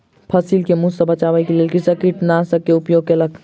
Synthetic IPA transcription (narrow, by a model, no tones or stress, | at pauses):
pʰəsilkemusə̃bət͡ʃabəjkelelkisəkiʈnasəkeupjoɡ̚kelək